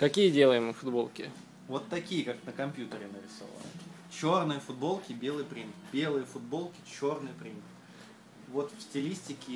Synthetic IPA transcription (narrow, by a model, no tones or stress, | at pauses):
kɐkʲijədʲe̞lˠəjɪmɨfʊd̪bo̞lˠkʲɪ̰ | vo̞t̪ːɐkʲijəkaknəkɐmʲpʲjut̪əɾʲɪnəɾʲɪso̞̰və̰nɨ | t͡ɕo̞rnɨjəfʊd̪̚bo̞lˠkʲɪbʲe̞lˠɨjpɾʲimbʲe̞lˠɨjəfʊd̪̚bo̞lˠkʲɪ̥t͡ɕo̞rnɨjəpɾʲim | vo̞t̪fsʲtʲɪlʲisʲtʲɪkʲɪ